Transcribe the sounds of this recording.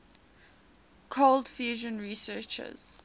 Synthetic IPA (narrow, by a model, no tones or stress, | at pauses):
kʰoldfjuːʒə̃nɹisɜːt͡ʃə̰z̥